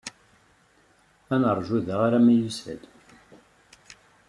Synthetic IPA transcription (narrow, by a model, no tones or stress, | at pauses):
ænəɾˤʒuðəʁaɾamæjusə̰d̪